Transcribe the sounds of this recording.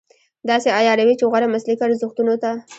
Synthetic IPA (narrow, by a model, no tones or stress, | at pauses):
d̪ɑseajɑɾawit͡ʃeɣɑɾamaslikaɾzʊxt̪unot̪a